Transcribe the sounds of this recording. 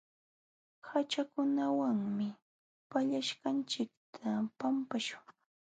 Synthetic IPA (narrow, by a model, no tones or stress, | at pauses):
hat͡ʃakʊnawaŋmɪ | paʎaʃkant͡ʃɪkt̪ʰapampaʃʊ̥ŋ